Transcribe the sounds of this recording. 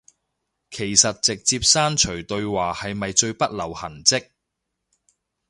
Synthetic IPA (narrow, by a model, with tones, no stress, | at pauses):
kʰe˨˩jsɐ˨t̚t͡sɪ˨k̚t͡siː˧p̚saː˥nt͡ʃʰɵ˨˩ɥt̪ɵ˧ɥwaː˨hɐ˨jmɐ˨jt͡ʃɵ˧ɥpɐ˥t̚lɐ˨˩whɐ˨˩nt͡sɪ˥k̚